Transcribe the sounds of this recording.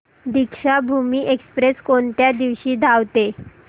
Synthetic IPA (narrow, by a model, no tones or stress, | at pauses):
d̪ikʂabʱumiːʔekspɾeskoɳt̪jad̪iʋɕiːd̪ʱaʋt̪e